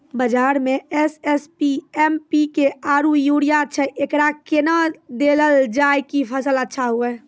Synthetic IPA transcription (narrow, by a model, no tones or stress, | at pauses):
bəd͡ʒaɾmeɛsespiɛmpikeaɾujuɽijaətːʃʰəʔekɾakenad̪eləld͡ʒajkipʰəsələtːʃʰaɦuɛ